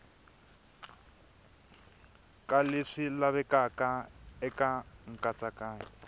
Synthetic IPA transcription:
kaleʂilaβɛkakaɛkaŋ̩kat͡sakaːɲi

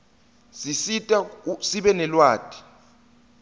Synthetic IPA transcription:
sisitʼasiɓɛnɛlwaːtʼi̥

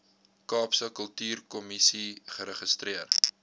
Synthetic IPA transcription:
kɑːpsəkəlˠtyːrkɔmisiχəɾəχəstriər

